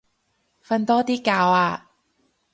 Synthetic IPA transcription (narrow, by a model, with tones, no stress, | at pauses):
fɐ˧nt̪ɔː˥t̪iː˥kaː˧waː˧